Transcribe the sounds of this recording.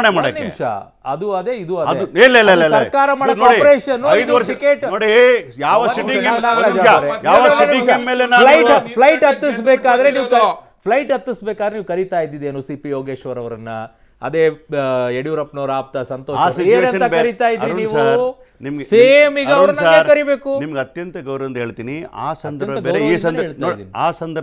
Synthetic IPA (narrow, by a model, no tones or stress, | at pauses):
ɳemaːɽɐnimʃɐ̰ | ɐ̰d̪uɐd̪eid̪uɐdɐd̪elːlllsɐɾkaːɾɐmaːɽɐnoipɾeːʃɐnːuɐjd̪uʋɐɾʂikeʈnoːɽijaːʋɐiiŋɡeɐnaːad͡ʒaɾejaːʋɐsiiŋemːeːlenalɐjpʰlɐjʈɐt̪ːis̬beːkaːd̪ɐɾe̞niːʋkɐ | pʰlɐjʈɐt̪ːisbeːkaːd̪ɾeniːʋukɐɾit̪aːjid̪id̪eːnusipijoːɡe̞ːʃʋɐɾɐʋɐɾɐnːɐ | ɐ̰d̪e̞ːeɽijuɾɐpnoːɾaːp̚t̪ɐsɐnt̪oːsiːnɐnɐɐɾit̪aːjid̪ɾiniːʋuaɾ | nimɐɡseːmiɡɐʋɾɐnaeɾkɐɾibe̞ːkunimɐɡɐt̪jɐnt̪ɐɡɐwɾɐnd̪ɦeːɭt̪iːnia̰ːsɐnd̪ɐɐɐiːsɐeːɭt̪naod̪inaːsɐnd̪ɐɾ